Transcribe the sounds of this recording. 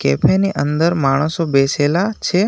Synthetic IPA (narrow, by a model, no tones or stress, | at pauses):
kepʰeniʔənd̪əɾmaɽ̃əsobeselat͡ʃʰe